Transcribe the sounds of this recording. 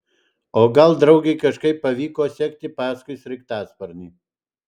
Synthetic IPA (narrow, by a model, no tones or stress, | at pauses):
oːɡɐlˠd̪ɾɐʊɡʲɛɪkɐʃkɐɪpːɐʋʲiːkoːsʲɛkt̪ʲɪpɑːskʊɪsʲɾʲɪkt̪ɑːspɐɾʲnʲiː